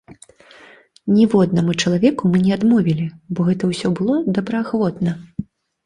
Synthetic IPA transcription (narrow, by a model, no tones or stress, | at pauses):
nʲɛvɔd̪̚nɐmɨt͡ʂɐlˠavʲɛkumɨnʲɛad̪mɔvʲilʲibɔɣɛt̪ɐwsʲɔbɨlˠɔd̪ɐbɾɐaxvɔt̪nɐ